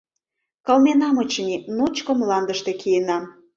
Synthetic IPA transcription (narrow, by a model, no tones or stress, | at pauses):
kɑlmenɑmət͡ɕənʲinot͡ɕkə̆mlɑnd̪əʃt̪ekʰijənɑm